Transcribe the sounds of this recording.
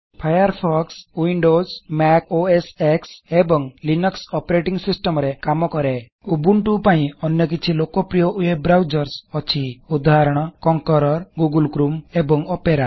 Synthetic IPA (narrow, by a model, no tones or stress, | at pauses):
pʰajəɾpʰɔkswiɳɖozmɛkoeseksebɔŋlinəksɔpɾeʈiŋɡsisʈəmɾekamɔkɔɾe | ubuɳʈupaĩɔnjɔk̬it͡ʃʰilokɔpɾijɔʔujebɾawd͡ʒɔɾsɔt͡ʃʰiud̪ʱaɾɔɽ̃ɔkɔŋkɔɾɔɾɡuɡulkɾumebɔŋɔpeɾa